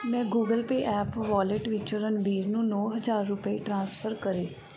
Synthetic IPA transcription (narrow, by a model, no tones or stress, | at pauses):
mɛ̃ːɡuːɡəlpeːʔɛːpʋɔːlɪʈʋɪt͡ʃɾənbiːɾnũːnɔːɦəzaːɾːʊpiːʈɾãːspʰəɾkəɾeː